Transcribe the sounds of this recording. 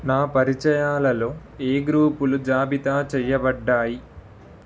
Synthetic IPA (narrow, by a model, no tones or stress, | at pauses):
naːpɐɾit͡ʃɐjaːlɐlo̞ː | eːɡɾuːpulud͡ʒaːbit̪aːt͡ʃɛjːɐbɐɖːaːji